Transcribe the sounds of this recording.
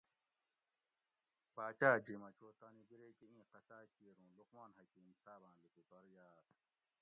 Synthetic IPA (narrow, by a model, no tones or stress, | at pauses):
paːt͡ɕaːd͡ʑimɐt͡ɕʰoːt̪aːnibiɾekiĩːqɐsaːkiɾũːluqmaːnɦɐkimsaːbãːlukup̪ɐɾjaːɾ